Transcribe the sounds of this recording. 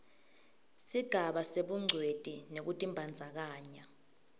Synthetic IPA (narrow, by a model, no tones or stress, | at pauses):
siɡ̥ʱaɓaseɓuŋ͡ǀʱwed̥ʱinek̬utʼimbʱand͡zʱak̬aːɲa